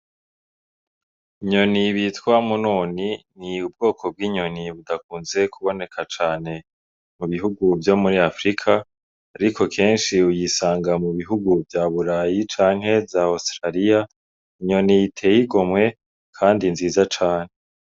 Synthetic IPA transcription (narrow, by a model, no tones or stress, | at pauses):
iɲo̞niβitkwamunuːniniub̚ɡo̞ːkʰo̞b̚ɡiːɲo̞niβudakuːnze̞kʰuβo̞ne̞kʰat͡ʃaːne̞ | muβiɦuɡuvjo̞muɾiafɾikʰaː | ɾikʰo̞kʰe̞ːnʃiujisaːŋɡamuβiɦuɡuvjaːβuɾajit͡ʃaːŋ̥ɦe̞zaostɾaɾija | iɲo̞nijitʰe̞jiɡo̞mŋe̞ | kʰaːndinziːzat͡ʃaːn̥e̞